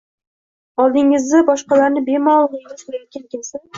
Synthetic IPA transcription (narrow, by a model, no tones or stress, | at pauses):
ɒlˠd̪ɪŋɪzd̪abɒʃqɑlaɾnɪbe̞mɒlˠʁɪɡɪzqʰoɾajɒt̪̚kʲʰankʲelsɪn